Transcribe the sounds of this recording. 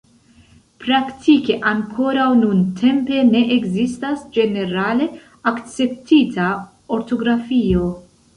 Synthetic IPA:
pɾaktʰike̞ʔaŋkʰo̞ɾawnuntʰe̞mpe̞ne̞ʔeɡzistasd͡ʒe̞ne̞ɾale̞ | akt͡se̞p̚tʰita | oɾto̞ɡɾafio̞

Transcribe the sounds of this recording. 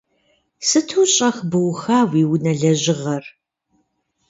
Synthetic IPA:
sɨtʰuːɕʼɐxbɨwxaːwiːwnɐɮɐʑɪʁɐr

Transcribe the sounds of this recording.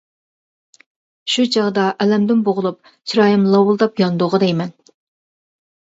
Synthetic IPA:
ʃut͡ʃʰɑʁd̪ɑʔɛlɛmd̪ɪnboʁʊlˠup̚ | t͡ʃʰiɾɑːjimlˠɑwʊlˠd̪ɑpjɑnd̪oʁəd̪ɛjmɛn

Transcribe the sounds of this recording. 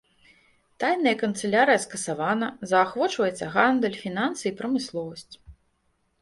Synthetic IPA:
t̪ajnɐjɐkɐnt̪sɛlʲaɾɨjɐskɐsavanɐzɐːxvɔt͡ʂvɐjɛt̪sːɐɣand̪ɛlʲfʲinansɨipɾɐmɨslˠɔvɐsʲt͡sʲ

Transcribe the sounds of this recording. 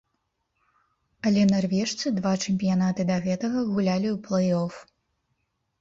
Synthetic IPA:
ɐlʲɛnarvʲɛʂt̪sɨd̪vat͡ʂɛmʲpʲijanat̪ɨd̪ɐɣɛt̪ɐɣɐɣulʲalʲiwplˠɐjɔf

